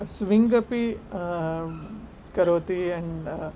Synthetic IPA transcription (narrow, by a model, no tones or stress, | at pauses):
sʋiŋɡɐpi | kɐɾoːt̪iɛɳ